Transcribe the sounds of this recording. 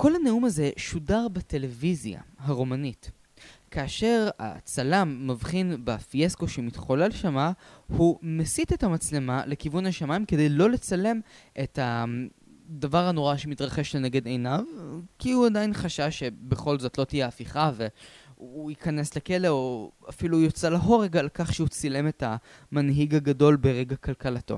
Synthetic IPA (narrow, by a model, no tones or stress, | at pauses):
ko̞lhaneumaze̞ʃudaʁbate̞le̞vizja̰ɦaʁo̞manit | kaːʃe̞ʁa̰t͡salamːavχinbefiesko̞ʃemitχo̞lelʃamahumesitethamat͡slema̰lekivunaʃamaimkede̞jlo̞le̞t͡sale̞mʔeta | d̪avaʁhano̞ʁaʃemitʁaχe̞ʃlene̞ɡe̞dejnavkiuadajinχaʃavʃe̞be̞χo̞lzo̞tlo̞tijeafiχaveuikane̞sleke̞leoafilujot͡selaɦoʁeɡalkaχʃeut͡sile̞meta | manɦiɡaɡado̞lbeʁeɡakalkalato̞̰